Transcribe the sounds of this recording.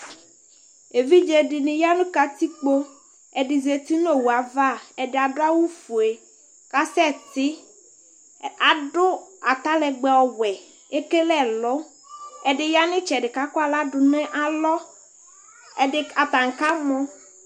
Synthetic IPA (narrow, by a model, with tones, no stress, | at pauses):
e˨vi˦d͡ʒɛ˨dɪ˨nɪ̃˨ja˦nʊ̃˦ka˨t̪i˦k͡po˦ | ɛ˨dɪ˨ze˨t̪i˦no˦wu˨a˨va˦˨ɛ˨dɪ˨a˨dʊ˦a˦wu˦fʊ˨e˨ | ka˦sɛ˦t̪ɪ˦ | a˨dʊ˦a˨t̪a˦lɛ˨ɡ͡bɛ˨ɔ˨wɛ˨ | e˦ke˦lɛ˦lɔ˦ | ɛ˨dɪ˨ja˦nɪ̃˦t͡ʃɛ˨dɪ˨ka˦ka˨la˦dʊ˨nɛ˦ʔa˨lɔ˦ | ɛ˨dɪ˨a˨t̪a˨ŋ̩˨ka˦mɔ˦